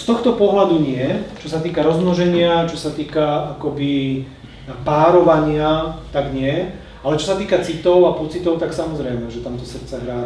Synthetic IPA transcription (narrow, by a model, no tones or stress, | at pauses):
st̪ɔxt̪ɔpɔɦlad̪uɲɪɛt͡ʃɔsat̪iːkaɾɔzmnɔʒɛɲɪat͡ʃɔsat̪iːkaakɔbi | paːɾɔʋaɲɪat̪aɡɲɪɛ | alɛt͡ʃɔsat̪iːkat͡sit̪ɔʊapɔt͡sit̪ɔʊt̪aksamɔzɾɛjmɛʒɛt̪amt̪ɔsr̩t͡sɛɦɾaː